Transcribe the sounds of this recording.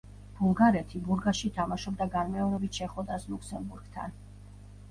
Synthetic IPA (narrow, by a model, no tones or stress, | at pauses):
b̥ulˠɡaɾɛt̪ʰibuɾɡaʃit̪ʰamaʃɔb̚d̪aɡanmɛɔɾɛbit̪ʰʃɛχɔd̪aslˠukʰsɛmbuɾɡ̥t̪ʰa̰n